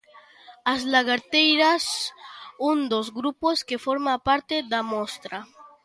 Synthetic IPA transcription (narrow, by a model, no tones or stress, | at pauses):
azlaɣaɾt̪ejɾas | und̪ozɡɾuposkefoɾmapaɾt̪eðamost̪ɾa